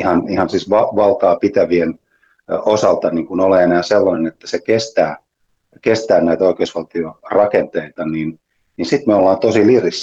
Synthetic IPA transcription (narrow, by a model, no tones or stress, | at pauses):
ihɑnihɑnsiːsʋɑʋɑlk̪ɑːpit̪æʋien | osɑlt̪ɑniːŋkunoleenæːselːɑnenet̪ːæ̥sekest̪æː | kest̪æːnæit̪æoikeusʋɑlt̪iorɑkent̪eit̪ɑnin | ninsit̪meolːɑːnt̪osiliris